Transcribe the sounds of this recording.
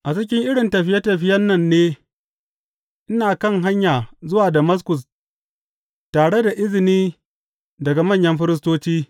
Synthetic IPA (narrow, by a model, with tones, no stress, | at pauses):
ʔa˨t͡ʃɪ˦k̬ʲɪ˦ŋʔɪ˦ɽɪ˨ntɐ˨ɸɪ˦jɐ˦tɐ˨ɸɪ˦jɐ˦nːɐ˦˨nːeː˦ | ʔɪ˦naː˨kɐ˦˨ŋɦa˦ɲjaː˨zʊ˦waː˨dɐ˨mɐ˦s̬kʊ˨s | taː˨ɽe˦da˨ʔɪ˦zɪ˨niː˦ | dɐ˨ɡa˨mɐ˦˨ɲjɐ˦mɸɪ˦ɾɪ˦s̬toː˦t͡ʃiː˦